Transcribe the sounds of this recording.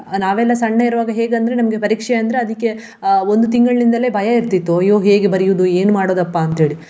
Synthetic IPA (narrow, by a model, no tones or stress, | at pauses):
naːʋɛlːɐsɐɳːɐiɾʋaːɡɐɦe̞ːɡɐnd̪ɐɾe̞nɐmɐɡe̞pɐɾiːkʂɛɐnd̪ɾeɐd̪ikːe̞ | o̞nd̪ut̪iŋɡɐɭnind̪ɐle̞ːbʱɐjɐiɾt̪ːit̪ːuɐjoːɦe̞ːɡebɐɾijuʋd̪ue̞ːnumaːɽoːd̪ɐpːaːnt̪ɦeːɭi